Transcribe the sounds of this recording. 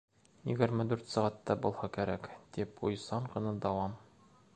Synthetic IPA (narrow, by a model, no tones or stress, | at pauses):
jɘ̰̆ɡɘ̆ɾmɘd̪ʉɾt̪sɒʁɑt̪ːɑbulˠhɑkæɾækt̪ipujsɑɴqɤ̆nɤd̪ɒwɑm